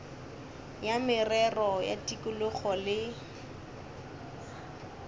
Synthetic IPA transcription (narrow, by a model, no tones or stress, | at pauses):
jamɪrɛrɔja̰tʼikʼʊlʊχɔlɪ